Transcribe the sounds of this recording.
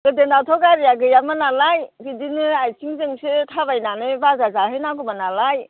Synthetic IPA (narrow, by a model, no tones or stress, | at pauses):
ɡ̥ɯdenatʰɔɡaɾijaɡɯjamanalajbidinɯajsʰiŋzɯŋsetʰaβajnanɯbazazaɦɯjnaɡumanalaj